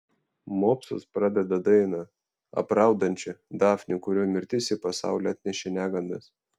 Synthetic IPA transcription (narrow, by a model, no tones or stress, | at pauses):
moːpsʊ̰spɾɑd̪ʲɛd̪ɐd̪ɐɪnɐ | ɐ̰pɾɑˑʊd̪ɐnʲt͡ʃʲʊd̪ɑːfʲnʲɪkʊɾʲoːmʲɪɾʲt̪ʲɪsʲɪpɐsɑ̰ˑʊlʲoɑt̪ʲnʲɛʃʲɛnʲæːɡɐnd̪ɐs